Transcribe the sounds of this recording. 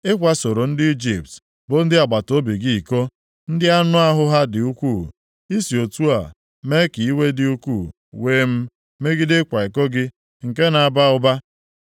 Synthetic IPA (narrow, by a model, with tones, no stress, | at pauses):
e˦kʷa˦so˨ɾo˨n̩˦dɪ˦i˦d͡ʒi˨p̚t | bʊ˨n̩˦dɪ˦a˨ɡ͡ba˨to˦bi˨ɡi˦i˨ko˦ | n̩˦dɪ˦a˦nʊ˦a˦ɦʊ˦ɦa˦dɪ˨u˦kʷu˦˨ | i˦si˨o˨tu˦a̰˨ | me˦ki˨i˦we˦dɪ˦u˦kʷṵ˦˨ | weː˨˦m̩˦ | me˦ɡɪ˦dɪ˦kʷa˨i˨ko˦ɡɪ˦ | ŋ̩˨ke˦na˨a˨ba˦ʊ˦ba˦